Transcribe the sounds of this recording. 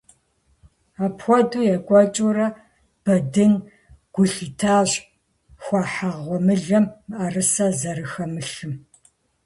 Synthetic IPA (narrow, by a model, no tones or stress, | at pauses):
aːpxʷɔduːjɛkʷʼɔt͡ʃʼurɐ | b̥ɐdɨn | ɡ̥ʷʊɬitʰaːɕ | xʷɑːħaʁʷɔmɨɮɐmːʔɐrɨsɐzɐɾɨxɐmɨɬɨm